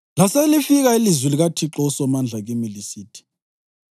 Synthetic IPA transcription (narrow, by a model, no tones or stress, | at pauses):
laselifiɣailizwiliɣatʰiǁɔsɔmand͡ɮʱaɣimilisiːtʰi̥